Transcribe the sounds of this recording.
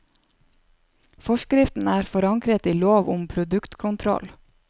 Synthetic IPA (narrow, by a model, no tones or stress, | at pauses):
fɔʃkɾɪft̪n̩æːɾfɔɾɑŋkɾət̪iːloːʋʊmpʰɾʊd̪ʉkt̪kʰʊnt̪ʰɾɔ̰l